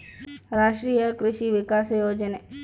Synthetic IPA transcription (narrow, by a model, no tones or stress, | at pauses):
ɾaːʃʈɾijəkɾʊʃiʋɪkaːsjoːd͡ʒəne